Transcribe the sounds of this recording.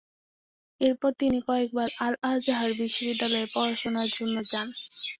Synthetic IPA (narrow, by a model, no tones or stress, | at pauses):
eɾpɔɾt̪inikɔek̚baɾalad͡ʑaɦaɾbiʃːobid̪ːalɔepɔɾaʃonaɾd͡ʑonːod͡ʑan